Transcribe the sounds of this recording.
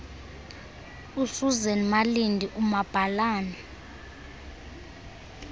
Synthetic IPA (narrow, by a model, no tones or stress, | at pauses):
usuzɛnmalindʱiʔumab̥ʱalaːna